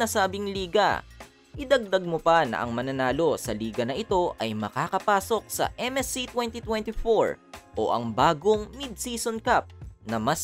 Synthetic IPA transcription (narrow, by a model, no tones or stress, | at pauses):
ɐsaːbɪŋliːɡɐ̰ | ʔɪd̪ɐɡ̚d̪ɐɡ̚mopɐnɐ̰ʔɐ̰ŋmɐnɐnaːlo̞sɐliːɡɐnɐʔɪt̪o̞ʔɐjmɐkaːkɐpaːso̞k̚sɐ̰ʔɛmɛsit̪wɛnt̪it̪wɛnt̪ifoɹʔo̞̰ʔɐ̰ŋbaːɡoŋnɪd̪siːsonkap̚nɐmɐs